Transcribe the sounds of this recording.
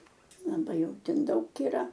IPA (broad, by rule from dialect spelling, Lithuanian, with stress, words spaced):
lˠɐˈbɐɪ ˈjɛʊ ˈtʲɛn ˈdɐʊk iːˈrɐ